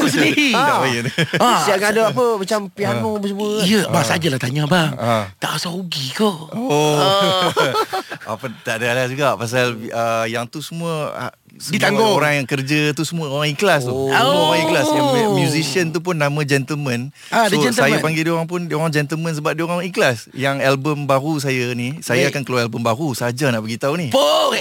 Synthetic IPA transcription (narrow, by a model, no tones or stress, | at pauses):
kusəniidabajədəasiakaadaapəmat͡ʃampianot͡ʃmuəijəbasad͡ʒalaht̪aɲãbaŋat̪a̰ʔasauɡikoo | ʔa̰pət̪aʔdaalahd͡ʒuɡaʔpas̬aləjaŋt̪usəmũəa̰ | dit̪aŋɡooɾaŋjaŋkərd͡ʒət̪usəmuaoɾaŋiklas̬t̪umoɾaŋiklasjamjuzisiənt̪up̬ʊnːamãd͡ʒɛnt̪əlmə̃n | sosajapaŋɡedioɾaŋp̬ʊndioɾaŋd͡ʒɛnt̪əlmə̃ns̬əbap̚dioɾaŋiklas | jaŋɛlbəmbaɾus̬ajanisajaakankalawɛlbəmbaɾusəad͡ʒanaʔbəɡit̪aunihpo